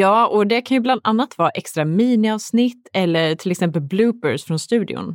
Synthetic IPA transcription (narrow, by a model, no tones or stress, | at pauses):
jɑːɔd̪ɛkʰanjɵbland̪anːat̪vɑːɾʔɛkst̪ɾamiːnɪɑːvsnɪt̪ːɛlːəɾʈ̪ʰɪlɛksɛmpəlblʉːpəɾsfɾɔnst̪ʉ̟ːd̪ɪ̰ʊ̰n